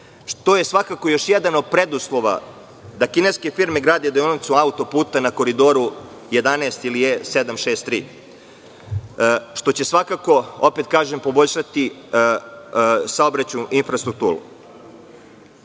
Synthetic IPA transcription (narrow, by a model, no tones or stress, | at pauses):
ʂt̪oje̞sʋakako̞jo̞ʃjed̪ano̞d̪̚pɾed̪uslˠo̞ʋa̰ | d̪akineske̞fiɾme̞ɡɾaːd̪ed̪eonit̪suaut̪o̞puːt̪anako̞ɾid̪o̞ɾu | je̞d̪aneːst̪ilijesed̪amʃeːst̪ːɾḭː | ʃt̪o̞t͡ɕe̞sʋakako̞o̞pe̞t̪̚kaːʒempo̞bo̞ʎʲʃat̪i | saobɾat͡ɕuʔinfɾast̪ɾuk̚t̪uːɾṵ